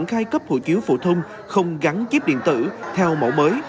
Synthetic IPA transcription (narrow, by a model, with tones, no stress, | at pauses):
nxaː˧˦jkə˦˥p̚ho̰˧˨˩jt͡ɕi˨˦əwfo̰˧˩t̪ʰə˧wŋ͡m | xə˧wŋ͡mɣa˨˦nt͡ɕi˦˥p̚ɗḭ˧˨nt̪ɨ̰˧˩t̪ʰɛ˧wmo̰˧˩wməː˨˦j